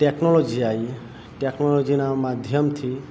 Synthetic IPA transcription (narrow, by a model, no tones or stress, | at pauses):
ʈeknɔlod͡ʒiaj | ʈeknɔlod͡ʒinamad̪ʱjɔmt̪ʰi